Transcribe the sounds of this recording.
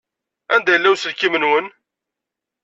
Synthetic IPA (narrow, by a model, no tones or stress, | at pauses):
ænd̪æjəlːæwsəlkimənwən